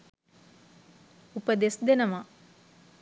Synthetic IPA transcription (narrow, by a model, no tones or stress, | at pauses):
upəd̪esd̪enəma